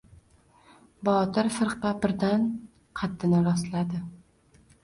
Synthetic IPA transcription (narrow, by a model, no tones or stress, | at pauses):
bɒt̪ɪɾfɨɾqɑbɪɾd̪an | qʰɑt̪ʰːɪnɪɾɒslad̪ɪ